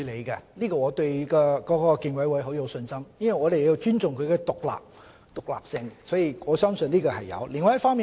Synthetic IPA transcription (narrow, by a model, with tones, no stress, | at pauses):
le˨˧kɛ˧liː˥kɔː˧ŋɔː˨˧t̪ɵ˧ɥkɔː˧kɔː˨˥kɔː˧ki˧ŋwɐ˨˥jwɐ˨˥jɦo˨˥wja˨˧wsɵ˧nsɐ˥mjɐ˥nwɐ˨jŋɔː˨˧ɾe˨ji˧wt͡ʃyː˥nt͡sʊ˨˩ŋkʰɵ˨˧ɥkɛ˧t̪ʊ˨k̚la̰ː˨p̚ | t̪ʊ˨k̚la̰ː˨p̚sɪ˧ŋsɔː˨˥jiː˨ɔː˨˧sœː˥msɵ˧nliː˥kɔː˧hɐ˨jɐ̰˨˧wli˨ŋwɐ˧˦jɐ˥tfɔː˥miː˨